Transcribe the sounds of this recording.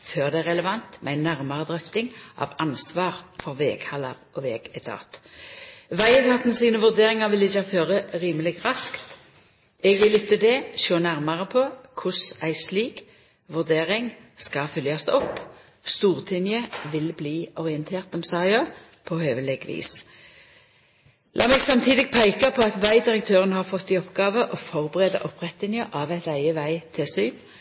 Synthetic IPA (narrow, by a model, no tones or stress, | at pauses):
føːʁd̪ɛæʁɛləʋɑnt̪mɛæɪnːæʁmɑʁəd̪ʁɛft̪ɪŋʔɑ̰ːʋɑnsʋɑːʁfɔʁʋeːɡ̥hɑlɑʁʔɔʋḛːɡ̥ɛt̪ʰɑ̰ːt̪ | ʋæɪət̪ʰɑːt̪nəsiːnəʋʉʁd̪eːʁɪŋɑʋɪlɪçɑføːʁəʁiːməlɪɡʁɑskt̪ | ɛɡʋɪlɪt̪ːəd̪ɛʃoːnæʁmɑʁəpʰokʰʊsæɪsliːk | ʋʉʁd̪eːʁɪŋskɑfʏljɑsd̪ɔpː | st̪uːʁt̪ʰɪnjəʋɪlbliːɔʁɪənt̪ʰeːʁt̪ɔmsɑːɑː | pʰɔhøːʋəlɛɡʋḭːs | lʔɑ̰ːmɛɡsɑmt̪ʰiːd̪ɪɡ̚pʰæɪkɑpʰɔɑt̪ʋæɪd̪ɪʁək̚t̪ʰøːʁənəhɑʁfɔt̪ːiːɔpɡɑːʋəʔɔfɔʁbəʁeːd̪ɑ̰ʔɔpʁɛt̪lɪnjəʔɑːʋæɪt̪æɪəʋæɪt̪ʰɪsyːn